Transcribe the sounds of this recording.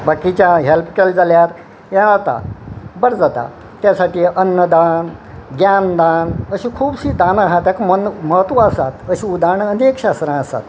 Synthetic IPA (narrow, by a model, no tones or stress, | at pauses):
bakːit͡ɕjaɦelp̚keld͡zaljaɾ | jad͡zat̪a̰bəɾd͡zat̪a̰ | t̪jasaʈiːʔənːəd̪anɡjand̪anəɕĩːkʰuːbɕid̪anaɦat̪akmənməɦət̪ʋəəsat̪əɕĩud̪aɳənekɕast̪ɾãəsa̰t̪